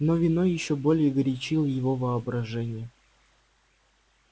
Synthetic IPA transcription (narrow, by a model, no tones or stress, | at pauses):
novʲinojɪɕːobolʲɪjəɡɾʲɪt͡ɕilˠjɪvovɨɐbɾɐʐɛnʲɪjə